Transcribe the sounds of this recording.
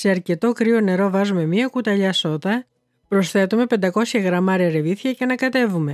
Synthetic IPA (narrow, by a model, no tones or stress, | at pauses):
se̞ɐɾce̞t̪o̞kɾio̞ne̞ɾo̞vɐzume̞miɐkut̪ɐʎɐso̞t̪ɐ | pɾo̞sθe̞t̪ume̞pe̞nd̪ɐko̞sçɐɣɾɐmɐɾiɐɾe̞viθçɐceɐnɐkɐt̪e̞vume̞